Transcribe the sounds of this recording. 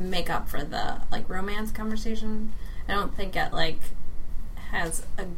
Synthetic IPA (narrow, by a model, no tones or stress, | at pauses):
meɪkʌpfə˞ðə̰laɪkɹõʊ̃mæ̃nskʰɑ̃ɱvə˞seɪʃɨ̃naɪdõʊ̃nθɪ̃ŋk̚ɨ̰ʔlaɪk | hɨzɨ